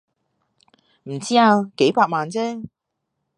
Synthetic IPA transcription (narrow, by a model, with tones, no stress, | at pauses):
m̩˨˩t͡siː˥aː˧ke˨˥jpaː˧k̚maː˨nt͡sɛː˥